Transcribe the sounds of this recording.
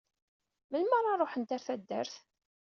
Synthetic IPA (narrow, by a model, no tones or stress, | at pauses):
məlmaɾˤɑɾˤoħənt̪aɾθæd̪ːə̰ɾθ